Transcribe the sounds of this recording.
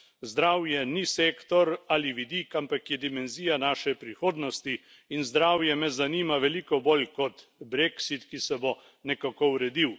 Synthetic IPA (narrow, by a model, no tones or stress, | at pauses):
zd̪ɾaːwjɛniseːkt̪ɔɾaliʋid̪ikampakjɛd̪imɛnziːjanaːʃɛpɾixoːd̪nɔst̪i | inzd̪ɾaːwjɛmɛzaniːmaʋɛlikɔbolkɔt̪bɾeksit̪kisɛbo | nɛkakowɾɛd̪iw